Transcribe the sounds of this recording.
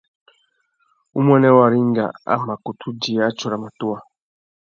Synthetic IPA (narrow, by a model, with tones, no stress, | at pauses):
u˦mwɛ˦nɛ˦wa˨ɾi˦ŋɡa̰˨a̰˦ma˨ku˨tʰu˦d͡ʒi˨ja˦t͡ʃɔ˨ɾa˨ma˨tu˦a˨